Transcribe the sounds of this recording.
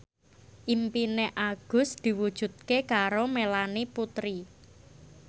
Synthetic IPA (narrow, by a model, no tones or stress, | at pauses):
ʔimpineʔaɡ̥ʊ̤sd̪̥i̤wud̥ʒ̥ṳt̪̚kekaɾomelaniput̪ɾi